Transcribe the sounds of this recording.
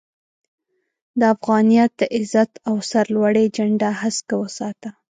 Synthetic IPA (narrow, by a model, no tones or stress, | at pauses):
d̪əafɣɑnijɑt̪̚d̪əʔɪzat̪awsaɾlwaɽed͡ʒaɳɖaɦaskawəsɑt̪a